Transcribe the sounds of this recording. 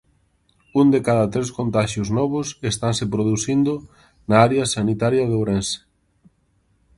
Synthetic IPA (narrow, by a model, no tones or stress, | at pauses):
und̪ekaðɐt̪ɾeskõnt̪aʃjʊznɔβʊsest̪ansepɾoðuθind̪ʊ | naaɾeɐsanit̪aɾjɐðowɾensɪ̥